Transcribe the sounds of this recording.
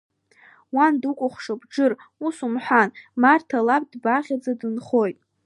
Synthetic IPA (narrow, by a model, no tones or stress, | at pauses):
wandukʷʼʊχʷʂabʈ͡ʂɨrusumħʷᶣanmartʰalap̚ʼdbaʁʲad͡zadɨnχo̞jtʼ